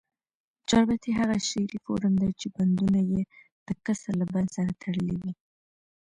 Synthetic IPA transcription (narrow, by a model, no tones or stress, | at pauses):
d͡ʒɑɾbat̪iɦaɣaʃeɾifo̰ɾəmd̪at͡ʃeband̪unaje | d̪̥əkəsalaband̪saɾat̪ʰaɽəlewi